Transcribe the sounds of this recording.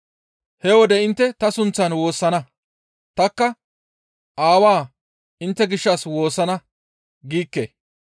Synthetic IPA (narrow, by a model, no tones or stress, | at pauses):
hɛwɔd̪ɛɪnt̪ːɛt̪ɐsʊnt͡sːɐnwo̞ːsːɐnɐ | t̪ɐkːɐ | ʔaːwaː | ɪnt̪ːɛɡɪʃːɐswo̞ːsːɐnɐ | ɡiːkːḛː